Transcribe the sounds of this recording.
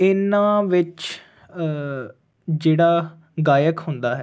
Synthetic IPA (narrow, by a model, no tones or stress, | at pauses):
ɪnãːʋɪt͡ʃ | d͡ʒeːɽaː | ɡaːjəkɦʊnd̪aːɦɛː